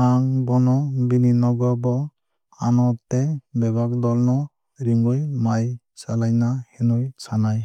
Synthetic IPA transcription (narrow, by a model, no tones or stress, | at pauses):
aŋbɔnɔbininɔɡɔbɔ | anɔtːɛbɛbak̚dɔlnɔ | ɾiŋɡɔjmaj | salajnahɛnɔjsanaj